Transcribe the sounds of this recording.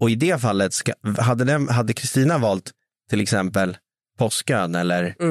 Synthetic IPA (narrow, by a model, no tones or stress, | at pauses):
ɔɪd̪ɛːfalːət̪skaɦad̪ːəd̪ɛmɦad̪ːəkʰɾɪst̪iːnavɑːlt̪ʰː | ɪlɛksɛmpəl | pʰɔskøːnɛlːəɾ